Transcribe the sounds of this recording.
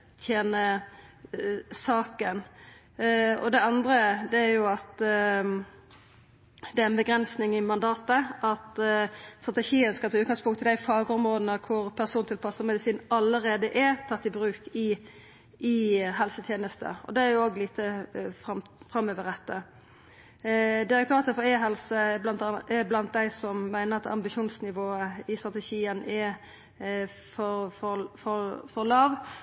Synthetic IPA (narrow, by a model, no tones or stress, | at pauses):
t̪ʰjeːnə | sɑːkən | ɔ̰d̪ɛɑnd̪ɾəd̪ɛæɾjʊɑt̪ | d̪ɛæɾɛnbəɡɾɛnsnɪŋɪmɑnd̪ɑːt̪əʔɑt̪st̪ɾʁɑt̪ɛʃiːənskɑt̪ʰɑʉt̪̚ɡɑŋspʊŋt̪ʰɪld̪æɪfɑːɡəɔmʁoːd̪nəkʰʊɾpʰæʁsuːnt̪ʰɪlpʰɑsəmɛd̪ɪsiːnɑləɾeːd̪əʔæɾt̪ʰɑt̪ːɪbɾʉːkɪ | ɪɦɛlsət̪ʰjeːnəst̪ə̰ɔ̰d̪ɛæɾjʊoːɡliːt̪ʰəfɑmfɾɑmøːʋəʁɾɛt̪ːə | d̪ɪɾɛkt̪ʰʉɾɑːt̪əfɔɾeːɦɛlsəblɑnt̪ɑɛblɑnt̪̚d̪æɪsɔmmæɪnəɾɑt̪ʰɑ̰mbɪʃuːnsnɪʋoːəɪst̪ɾʁɑt̪ɛʃiːənʔɛ | fɔɾfɔfɔɾfɔlɑːʋ